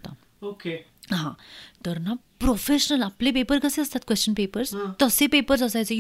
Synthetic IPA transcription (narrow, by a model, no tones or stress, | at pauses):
t̪a̰ | oke | ɦãt̪əɾna | pɾofeɕənəlaplẽpepəɾkəseəst̪at̪̚kʋest͡ɕənpepəɾst̪əsẽpepəɾsəsajt͡se